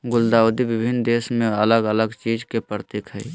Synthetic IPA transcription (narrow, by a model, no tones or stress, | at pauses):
ɡʊld̪aːʊd̪iʋɪbʱɪnd̪eːsmẽələɡələɡt͡ʃiːd͡ʒkepəɾət̪eːkʰɦɛ̰